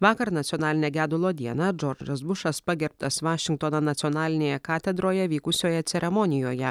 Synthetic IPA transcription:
ʋɑːkɐɾnɐt̪sʲiɔnɑːlʲɪnʲɛɡʲæːd̪ʊlˠoːd̪ʲiɛnɐd͡ʒɔɾd͡ʒɐs̬bʊʃɐspɐɡʲɛɾp̚t̪ɐsʋɑːʃʲɪŋk̚t̪ononɐt̪sʲiɔnɑːlʲɪnʲeːjɛkɑːt̪ʲɛd̪ɾoːjɛʋʲiːkʊsʲoːjɛt̪sʲɛɾʲɛmɔnʲɪjoːjɛ

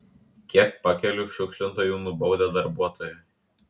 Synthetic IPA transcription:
kʲiɛk̚pɐkʲɛlʲʊʃʲʊkʃʲlʲɪnt̪oːjuːnʊbɒʊd̪ʲɛd̪ɐɾbuɔt̪oːjɛ

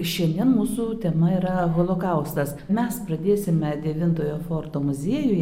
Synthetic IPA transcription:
ʃʲɛnʲd̪ʲiɛnmuːsut̪ʲɛmɐiːɾɐɣoːlˠoːkɐʊst̪ɐs | mʲɛspɾɐd̪ʲeːsʲɪmʲɛd̪ʲɛʋʲɪnt̪oːjoːfoːrt̪oːmʊzʲiɛjʊjɛ

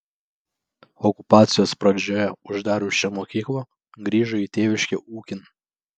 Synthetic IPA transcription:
ɔkʊpɑːt̪sʲɪjoːspɾɐd͡ʒʲɔjɛʊʒd̪ɑːɾʲʊʃʲt͡ʃʲɛmɔkʲiːklˠɐ | ɡɾʲiːʒʊit̪ʲeːʋʲɪʃʲkʲɛʔuːkʲɪn

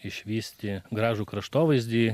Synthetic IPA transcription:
ɪʃʲʋʲiːsʲt̪ʲɪɡɾɑːʒʊkɾɐʃt̪oːʋɐjzʲd̪ʲi

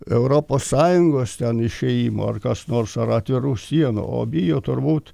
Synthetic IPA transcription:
ɛʊɾoːpoːsːɑːjʊŋɡoːst̪ʲɛnɪʃʲɛjiːmo̰ɐ̰rkɐsnoːrsɐɾɐt̪ʲʋʲɪɾuːsʲiɛnṵo̰ːbʲɪjoːt̪ʊrbuːt̪

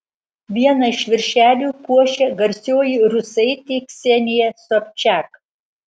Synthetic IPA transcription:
ʋʲiɛnɐɪʃʋʲɪɾʲʃʲæːlʲuːkuɔʃʲɛɡɐɾʲsʲoːjiɾʊsɐɪt̪ʲiːksʲɛnʲɪjɛsɔpʲt͡ʃʲæk

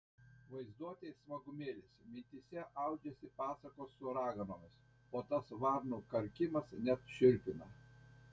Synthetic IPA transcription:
ʋɐɪzd̪uɔt̪ʲeɪsʋɐɡʊmʲeːlʲesʲmʲɪnʲt̪ʲisʲɛʔɐʊd͡ʒʲɛsʲɪpɑːsɐkoːsːʊɐɾɑːɡɐnoːmʲɪs | oːt̪ɐsʋɑɾnuːkɐɾʲkʲɪmɐsnʲɛt̪ʃʲɪɾʲpʲɪnɐ

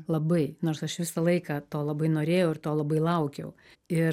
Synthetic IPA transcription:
lˠɐbɐɪnoːrsɐʃʋʲɪsɐlˠɐɪkɑːt̪oːlˠɐbɐɪnoːɾʲeːjɛʊɪɾt̪oːlˠɐbɐɪlˠɐʊkʲɛʊ | ɪ

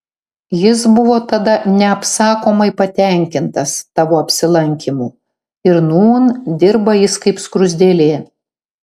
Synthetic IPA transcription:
jɪsbʊʋoːt̪ɐd̪ɐnʲɛɐpsɑːkoːmɐɪpɐt̪ʲɛˑŋʲkʲɪnt̪ɐst̪ɑːʋoːɐpʲsʲɪlˠɐŋʲkʲimuː | ɪɾnuːnd̪ʲɪɾbɐjɪskɐɪpskɾʊzʲd̪ʲeːlʲeː

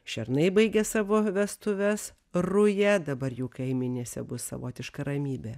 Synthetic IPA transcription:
ʃʲɛɾnɐɪbɐɪɡʲɛsɑːʋoʋʲɛst̪ʊʋʲɛs | rʊjɛd̪ɐbɐɾjuːkɐɪmʲɪnʲeːsʲɛ̰bʊssɐ̰ʋo̰ːt̪ʲɪʃkɐɾɐmʲiːbʲɛ

